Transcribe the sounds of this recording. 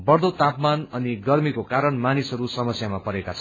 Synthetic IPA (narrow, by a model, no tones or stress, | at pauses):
bʌrd̪ot̪apmanʌniɡʌrmikokaɾʌɳmanisɦʌɾusʌmʌsjamapʌɾekat͡sʰʌn